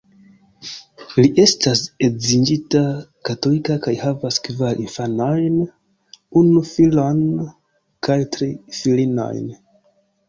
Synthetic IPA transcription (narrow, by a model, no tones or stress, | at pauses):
liʔe̞stase̞zind͡ʒitakato̞likakajhavaskvalʔinfano̞jn | unufilon | kajtɾifilino̞̰jn